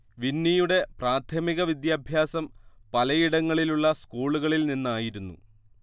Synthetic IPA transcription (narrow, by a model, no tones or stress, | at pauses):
ʋinːijuɽe̞praːt̪ʰɐmiɣɐʋid̪jaːbʱjaːsɐmpɐlɐjiɽɐŋːɐɭiluɭːɐskuːɭuɣɐɭilninːaːjiɾunːṵ